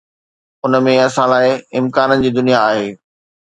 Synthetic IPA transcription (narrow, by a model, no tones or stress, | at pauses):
ʊnə̆mẽɐsãlaːɪɪmkaːnənɪ̆d͡ʑiːd̪ʊnijaaːɦeː